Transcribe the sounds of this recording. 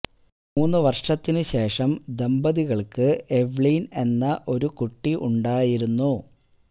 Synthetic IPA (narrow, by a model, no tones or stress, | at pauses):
muːnːɨʋɐrʂɐt̪ːinɨɕe̞ːʂɐmd̪embɐðiɣɐɭkɨe̞ʋɭiːne̞nːɐʔo̞ɾukuʈːiʔuɳɖaːjiɾunːu